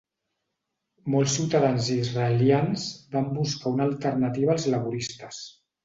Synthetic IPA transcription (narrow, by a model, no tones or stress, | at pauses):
mɔlˠsːiwt̪əðanzizrəeljanzbambuskaunalˠt̪əɾnət̪iβaːlˠzləβ̞uɾist̪əs